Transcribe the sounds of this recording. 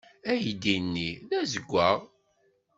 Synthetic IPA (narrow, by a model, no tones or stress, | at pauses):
æjd̪inːiðæzəɡʷːæʁ